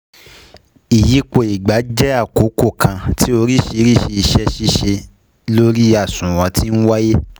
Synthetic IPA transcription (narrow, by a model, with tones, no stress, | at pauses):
i˨ji˨˦k͡po˧˨i˨ɡ͡ba˨˦d͡ʒɛ˦a˦˨ko˨˦ko˦˨kʰã˧ti˦o˧ɾi˦ʃe˧˦ɾi˦ʃe˧i˧ʃɛ˦ʃi˦ʃe˧ | lo˦ɾi˦a˦˨sũ˨w̃ɔ̃˨˧ti˦n̩˦wa˦je˦